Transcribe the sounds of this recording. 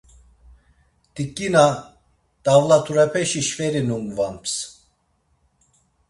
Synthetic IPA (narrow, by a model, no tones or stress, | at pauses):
d̪̥ikʼːina | d̪̥avlat̪ʰuɾɛpʰɛʃiʃvɛɾinumvamps